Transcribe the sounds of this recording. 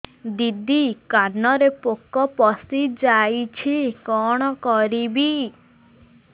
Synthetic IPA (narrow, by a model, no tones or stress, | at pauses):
d̪id̪ikanɔɾepokɔpɔsid͡ʒajt͡ʃʰikɔɽ̃ɔkɔɾibi